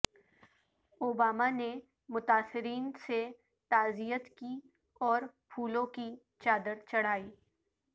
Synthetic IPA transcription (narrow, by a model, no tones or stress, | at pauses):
oːbaːmane | mʊt̪aːsɪɾiːnse | t̪aːzijət̪ki | ɔːɾpʰuːlõki | t͡ʃaːd̪əɾt͡ʃɐɽ̤aːiː